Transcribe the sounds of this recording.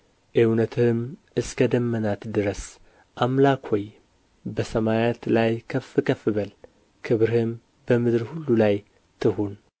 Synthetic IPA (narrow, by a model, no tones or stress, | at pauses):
ʔiwnət̪ʰɨm | ɨskʰəd̪əmːənat̪d̪ɨɾəs | ʔamlakhoj | bəsəmajet̪lajkʰəfɨkʰəfɨβəl | kʰɨβɾhɨm | bəmɨd̪ɾhulːulaj | t̪ʰɨhun